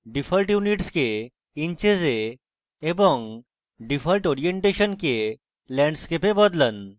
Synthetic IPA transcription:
ɖifəlʈjuniʈske | iɲt͡ɕed͡ze | ebəŋɡ | ɖifəlʈɔɾijeɳʈeɕənke | lɛ̃ɳɖskepẽbəd̪lən

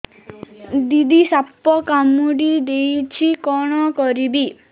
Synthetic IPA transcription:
d̪id̪isapːɔkamuɽid̪ejt͡ʃʰikɔɽ̃ɔkɔɾibi

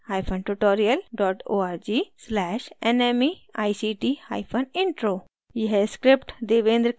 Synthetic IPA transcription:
haːjpʰɐnʈuʈoːɾijəlɖɔːʈoːaːɾd͡ʒislɛːʃenemia̰ːjsiʈiha̰jpʰənɪ̃ɳʈɾoː | jeɦɛskɾɪpʈd̪eːʋẽːnd̪ɾ

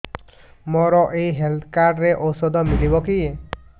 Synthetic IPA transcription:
mɔɾɔʔejɦelt̪ʰkaɖɾeʔosɔd̪ɔmiɾibɔki

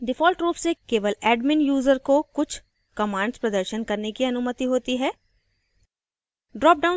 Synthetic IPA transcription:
ɖɪfʰɔːlʈɾoːpsekeːʋəlɛːɖmɪnjuːzəɾkokʊt͡ʃʰ | kɐmãːɳɖspɾɐd̪əɾʃənkɐɾnekiɐnʊmət̪iɦoːt̪iɦɛː | ɖɾɔːp̚ɖaʊ

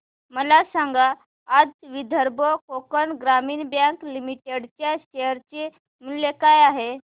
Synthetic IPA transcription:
məlasaŋɡaː | d͡zʋid̪ʱəɾbʱɔkokənɡɾamiːnbjãŋklimiʈeɽt͡ɕjaɕejəɾt͡ɕe | mulːekajaɦe

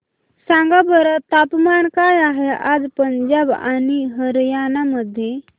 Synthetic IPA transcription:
sãŋɡabəɾat̪apmankajaɦead͡zpəɲd͡ʑaba̰ɽ̃iɦəɾjanaməd̪ʱːje

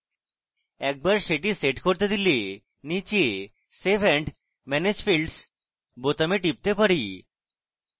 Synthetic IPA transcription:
ɛk̚baɾʃeʈiseʈkoɾt̪ed̪ile | nit͡ɕe | sebɛɳɖ | mɛned͡ʑfilɖs | bot̪ameʈip̚t̪epaɾi

